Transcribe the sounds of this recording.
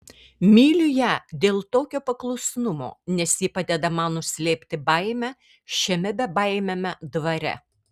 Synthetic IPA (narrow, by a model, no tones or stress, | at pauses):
mʲiːlʲʊjæːd̪ʲeːlˠt̪oːkʲoːpɐklˠɔʊsʲnʊmo̰ːnʲɛsʲjiːpɑd̪ʲɛd̪ɐmɐnʊsʲlʲeːpʲt̪ʲɪbɐɪmʲæ | ʃʲɛmʲɛbʲɛbɐɪmʲemʲɛd̪ʋɐɾʲɛ̰